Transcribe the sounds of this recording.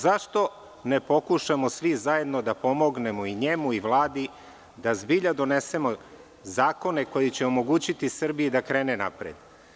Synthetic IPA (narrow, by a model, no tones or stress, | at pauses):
zaʃt̪o̞ | ne̞po̞kuʃamo̞sʋizaje̞d̪no̞d̪apo̞mo̞ɡne̞moiɲe̞muiʋlˠaːd̪i | d̪azbiʎad̪o̞ne̞se̞mo̞ | zaːko̞neko̞jit͡ɕeomo̞ɡuːt͡ɕit̪isr̩biid̪akɾeːnena̰pɾḛd̪